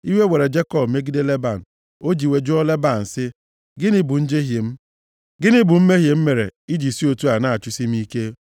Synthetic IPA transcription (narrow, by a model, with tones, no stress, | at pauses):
i˦we˦we˨ɾe˨d͡ʒe˦kɔ˦˨bme˦ɡi˦de˦le˦ba˨n̩˨ | o˦d͡ʒi˨we˨d͡ʒu˦ɔ˦le˦ba˨n̩˨sɪ˦ | ɡɪ˦nɪ˦bʊ˨n̩˦d͡ʒe˦ɦje˨m̩˦ | ɡɪ˦nɪ˦bʊ˨m̩˦me˦ɦje˨m̩˦me˨ɾḛ˨i˦d͡ʒi˨si˦o˨tu˦a˨na˦a˨t͡ʃʊ˦si˦m̩˦i˦ke˦